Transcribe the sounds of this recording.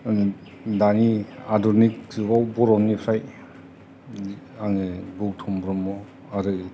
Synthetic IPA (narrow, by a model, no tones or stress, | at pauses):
daniadɔɾnik̚zɯɡawbɔɾɔmnipʰɾaj | aŋɯɡuktʰɔmbɾɔmɔ | aɾɯ